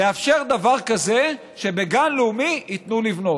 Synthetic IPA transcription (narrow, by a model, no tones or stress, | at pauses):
leafʃe̞ʁd̪avaʁkaze̞ | ʃe̞be̞ɡanleumiit̪nulivno̞t